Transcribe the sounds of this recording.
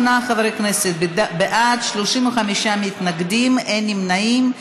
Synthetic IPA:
naχavɾejkneset̪̚bdabeʔat̪ʃloʃimoχamiʃamit̪naɡd̪imenimnaim

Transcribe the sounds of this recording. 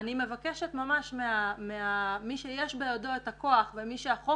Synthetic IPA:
nime̞vakeʃetmamaʃmeameamiʃejeʃbejodo̞etakoaχvemiʃeaχo

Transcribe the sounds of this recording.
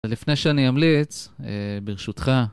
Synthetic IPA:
lifne̞jʃeanijamlit͡sebeʁeʃut̪χa

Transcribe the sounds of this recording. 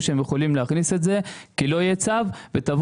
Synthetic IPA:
ʃeemjeχolimleaχniset̪ze̞kilo̞jet͡savvet̪av

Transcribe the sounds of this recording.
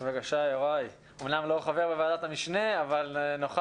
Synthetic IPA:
vakaʃajoʁaj | omnamlo̞χave̞ʁbeveaːd̪at̪amiʃneavalnoχ

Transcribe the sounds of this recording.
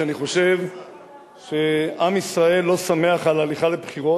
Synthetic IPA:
aniχo̞ʃe̞v | ʃe̞amisʁae̞lːo̞same̞aχalaliχale̞bχiʁo̞

